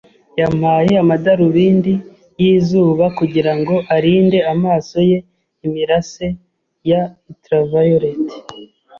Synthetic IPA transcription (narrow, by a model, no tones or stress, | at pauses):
jamaːjeamadaɾuβiːndi | jiːzuːβakuɟiɾaŋɡo̞ʔaɾiːnde̞amaːso̞je̞ | imiɾase̞ | jaitɾavajoɾeti̥